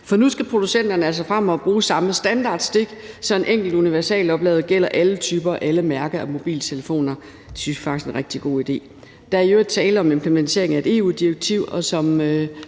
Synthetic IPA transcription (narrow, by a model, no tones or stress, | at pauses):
fɒ̽nusɡ̥æpʰʁo̝d̥usen̰d̥ɐnəæls̬ɒ̽fʁɑmɒb̥ʁuːsɑ̈məsd̥ænd̥ɑ̈ːd̥sd̥eɡ̥sɒ̽e̝nʔeŋ̰ɡ̥l̩d̥uniʋæɐsɛ̰ːlɒ̽b̥lɛ̰ʊð̩ˠɡ̥el̰ɐʔælət͡sʰyːb̥ɐʔæləmæɐɡ̥ɐæmo̝b̥ḭːlt͡sʰe̝ləfo̝̰ːnɐ̥ | sysfɡ̥isɡe̝nʁeɡ̥̚d̥iɡ̥o̝̰ːid̥e̝̰ː | d̥ɑ̈æɐiøːɐd̥ˠt͡sʰɛːldəɒ̽me̝mpʰlement͡sʰe̝̰ɐ̰eŋæe̝d̥e̝̰ːṵːd̥iɐɡ̥̚t͡sʰiʊ̰ɒ̽sɒ̽mø